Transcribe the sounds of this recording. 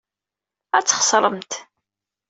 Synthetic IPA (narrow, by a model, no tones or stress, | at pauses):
æt͡sːχə̥sˤɾˤəmt̪